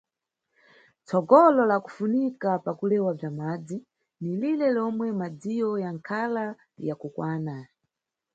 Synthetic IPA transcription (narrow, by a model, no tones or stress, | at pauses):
t͡sɔɡɔlɔlaku̥funikapakulɛwab͡ʐamaːd͡zi | nililɛlɔmwɛmad͡zijɔjaŋkʰala | jakukwaːna